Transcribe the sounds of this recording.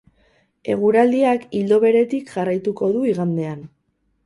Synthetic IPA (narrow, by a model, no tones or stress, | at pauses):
e̞ɣ̞uɾald̪iakild̪o̞βe̞ɾe̞t̪ikʝarajt̪uko̞ðuiɣand̪e̞an